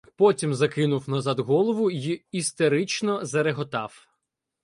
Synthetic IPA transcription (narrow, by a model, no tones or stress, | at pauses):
pɔtʲimzɐkɪnʊwnɐzɑd̪ɦɔlˠɔʋʊjiːst̪eɾɪt͡ʃnɔzɐɾeɦɔt̪ɑw